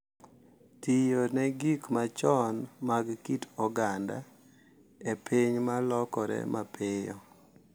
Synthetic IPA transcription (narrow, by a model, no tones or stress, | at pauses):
tijonɛɡikmat͡ʃɔnmaɡkitɔɡanda̰ | epʰiɲmalɔkɔɾɛ̰mapɪjɔ̰